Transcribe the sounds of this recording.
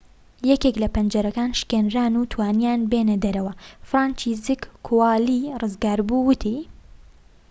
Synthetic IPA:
jɛkeklɐpɐnd͡ʒɐɾɐkaːnʃkenraːnut̪ʰwaːnjaːnbenɐd̪ɐɾɐwɐfɾaːnt͡ʃiːzɨkːʰuwalirɨzɡaːɾbuwɨt̪ʰi

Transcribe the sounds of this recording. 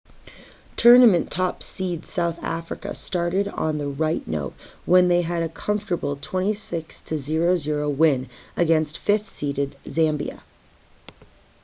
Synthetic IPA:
tʰɜ˞nɨmɨ̃ntʰɑpsidz̥saʊθæ̰fɹɨ̰kɨ̰stɑɹɾɨɾn̩ðəɹaɪtⁿno̰ʊt̚wə̃nðeɪɨɾɨkʰʌ̃ɱftə˞bl̩ˠtʰw̥ɛ̃ɾ̃isɪkstʰɨzɪɹoʊzɪɹoʊwɪ̃nɨɡɛ̃nstfɪθsiɾɨdzæ̃mbḭɨ̰

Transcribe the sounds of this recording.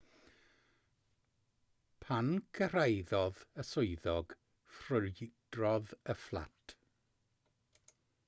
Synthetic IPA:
pʰanɡʰərajðɔðəsʊɨðɔɡ̥ | frʊlɪd̥rɔðəflˠa̰tʰ

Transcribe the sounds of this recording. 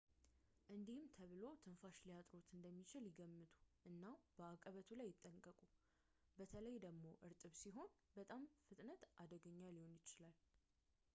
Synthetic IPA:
ʔɨnd̪ihɨmt̪ʰəβɨlo̞t̪ʰɨnfaʃlijat̪ʼɾo̞t̪ɨnd̪əmːit͡ʃɪljɪɡəmːɨt̪ʰʼu̥ʔɨnːab̥əakʼːəβət̪ʰulajːɪt̪ʼːəŋkʼəkʼu | bət̪ʰələjd̪əɡmo̞ʔɨɾt̪ʼɨβsiɦo̞nbət̪ʼamfɨt̪ʼnət̪ʔad̪əɡəɲːaliho̞njɪt͡ʃɪlal

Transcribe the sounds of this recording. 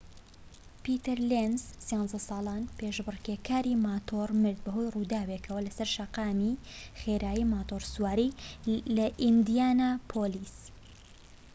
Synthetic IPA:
pit̪ɨɾlenzsjɑnzɐsɑːlˠɑːnpeʃbɨrkeːkʰaːɾimaːt̪ʰoːɾmɨɾd̪̚bɐɦo̞jruːd̪aːwekʰɐwɐlɐsɐɾʃɐqɑːmixeːɾaːjimaːt̪oɾsuwaːɾilɐʔind̪ijaːnaːpʰoːliːs

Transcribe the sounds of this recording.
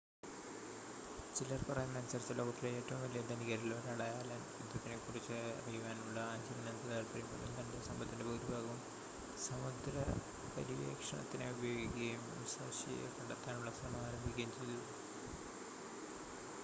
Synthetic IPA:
t͡ɕilːɐrpɐrɐjɐnːɐnt͡ɕɐrit͡ɕːɐlo̞ːɡɐt̪ːileeːʈːɐʋumʋɐlːijɐd̪ɐniɣɐɾiloɾɐɽɐjaːlɐmʋid̪ːɐt̪ːinekurit͡ɕːɨrijuʋaːnuɭːɐaːnd͡ʑɐlɐnɐnt̪ɐðaːlpɐrijmɐnːunt̪ɐndesɐmbʱɐt̪ːinde̞bɐɾubʱaːɣɐʋum | sɐmud̪ɾɐ | pɐɾiʋḛːkʂɐɳɐ̰t̪ːineubɐjo̞ːɡikʲːiɐjum | sɐ̰ːɕḭjḛkɐɳɖɐt̪ːaːnuɭːɐsɐmɐaːɾɐmbʱikʲːejumt͡ɕilɐ

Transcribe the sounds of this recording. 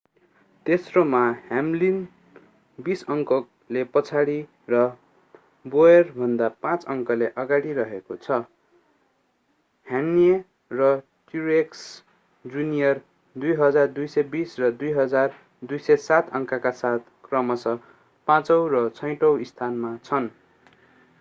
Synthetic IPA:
t̪esromahamlin | bisʌŋkʌ | lepʌt͡sʰaɽi | rʌ | boerbʱʌnd̪apãt͡sʌŋkʌleʔʌɡaɽirʌɦekot͡sʰʌ | hamnie | rʌ | ʈiɾeks | d͡zunijʌr | d̪ujɦʌd͡zard̪ujsʌjbisrʌd̪ujɦʌd͡zar | d̪ujsʌjsat̪ʰʌŋkakasat̪̚ʰkrʌmʌsʌ | pãt͡sʌwrʌt͡sʰʌj̃ʈʌwist̪ʰanmat͡sʰʌn

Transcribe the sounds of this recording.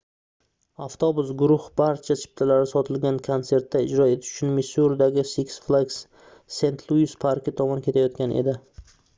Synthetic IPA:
aft̪ʰobʊsɡʊɾʊhb̥aɾt͡ʃʰat͡ʃʰɪ̥p̚t̪ʰalaɾɪsɒt̪ʰɪlɡʲankʰonse̞ɾt̪ːaɪd͡ʒɾɒe̞t̪ʰɪʃʊ̥t͡ʃʰʊnmɪsuɾd̪aɡʲɪsiksflˠaɡs | se̞nt̪ʰlˠuɪspʰaɾkʲɪt̪ʰɒmɒnkʲet̪ʰajɒt̪kʲanʔḛd̪ɪ

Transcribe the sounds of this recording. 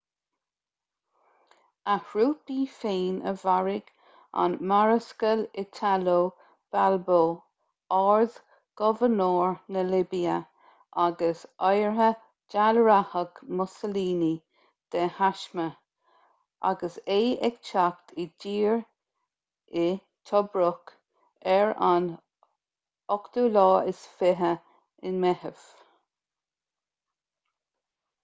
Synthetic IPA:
ahɹuːpiːfeːnʔə̰vaɹɪɡ̥ | a̰nmaɹəskəlɪt̪ʰaloː | b̥alboː | aɹð | ɡ̥ɔvənoːɹnəlɪbiə | ʔaɡəsɔjɹɦə | d͡ʒalɹahəɡmʊsəliːni | d̪̥ɛhaʃmə | ʔa̰ɡəseːɛkt͡ʃakt̪ʰɪd͡ʒiːɹ | ɪ | t̪ʰɔbɾʊk | ɛɹan | ɔkd̪̥uːlɑːɪsfɪɦə | ɪnmɛhəv̥

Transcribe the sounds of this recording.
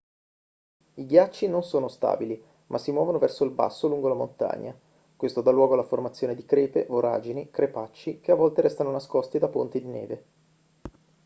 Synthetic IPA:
iɡjat͡ʃːinonsoːnost̪a̰ːbili | mʔasːimwɔːvonovɛrsoilba̰sːoluŋɡolamo̰nt̪a̰ɲːa̰ | kwest̪od̪alːwɔːɡolaformat̪sːjoːned̪ikɾeːpevoɾa̰ːd͡ʒinikɾʔepat͡ʃːikeavːɔlt̪eɾɛst̪anonaskɔst̪id̪apont̪id̪inḛːve

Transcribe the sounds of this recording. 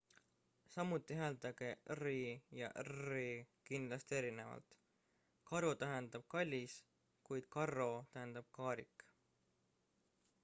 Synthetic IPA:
sɑmːut̪ːˑiɦæːld̪ɑɡerijɑ̰ʔrikind̪lɑst̪ie̞ɾine̞vɑ̰lt̪ | kɑɾot̪æɦe̞nd̪̥ɑb̥̚kɑlʲːis | kujd̪̥̚kɑro̞t̪æɦend̪̥ɑb̥̚kɑːɾikˑ

